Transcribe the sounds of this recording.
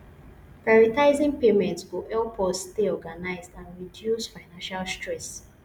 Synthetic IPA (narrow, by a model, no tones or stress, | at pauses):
paɹitaɪzĩŋpemɛ̃ntsɡoʔɛlpʰɔstteɔɡanaɪzdãnɹidjusfaɪnãnʃalstɹɛs